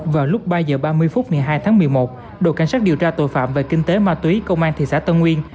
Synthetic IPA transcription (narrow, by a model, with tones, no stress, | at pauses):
vaː˨˩lʊ˦˥k͡p̚ɓaː˧zəː˨˩ɓaː˧mɨ˧əjfʊ˦˥t̚ŋ˨˩jɦaː˧jt̪ʰaː˨˦ŋmɨ˨˩əjmo˨˩t̚ | ɗo̰˧˨˩ka˧˩jŋsaː˦˥k̚i˨˩əwt͡ɕaː˧t̪o̰˧˩jfa̰ː˧˨mve˨˩kï˧ŋt̪e˨˦maː˧t̪wi˨˦kə˧wŋ͡mʔaː˧nt̪ʰi˨˩saː˧˥t̪ə˧nŋwi˧ən